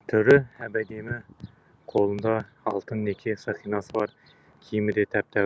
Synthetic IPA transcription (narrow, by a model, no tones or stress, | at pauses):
t̪ʰʏɾɪæbæd̪emɪ | qʰo̞lˠənd̪ɑː | lˠt̪ənːekʲʰesɑχijnɑsəvɑɾ | kʲʰejmɪd̪et̪ʰæp̚t̪ʰæ